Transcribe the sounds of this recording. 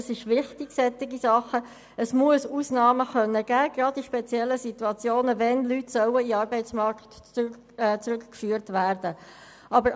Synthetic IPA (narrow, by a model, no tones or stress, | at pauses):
sɪʃʋɪχt̪ɪɡ̥sɛt̪ɪɡisɑχə | əsmuəsuːsnɑːməχœnːəɡæːɡ̥ɾɑdiʃpɛt͡sjɛlːəsit̪uɑt͡sjoːnəvɛnlytsœwəiɑːɾbɛɪt͡smɑɾktː | t͡sɾʉkkfyːəɾtvæːɾdə | ʔɑbəɾ